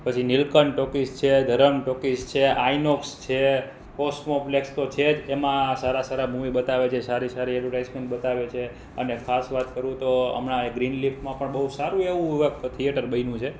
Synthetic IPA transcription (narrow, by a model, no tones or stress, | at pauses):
pət͡ʃʰinilkənʈokist͡ʃʰed̪ʱəɾəmʈokist͡ʃʰeʔainokst͡ʃʰe | kosʈmoplekst̪ot͡ʃʰed͡ʒemãsaɾasaɾabʱũʋibət̪aʋet͡ʃʰesaɾisaɾiɛlʋəʈajsmẽɳʈɓət̪aʋet͡ʃʰe | ənekʰasʋat̪kəɾũt̪oə̰mɳaeɡɾinlifmãpəɳbəɦusaɾũeʋũəkt̪ʰijəʈəɾbəinũt͡ʃʰe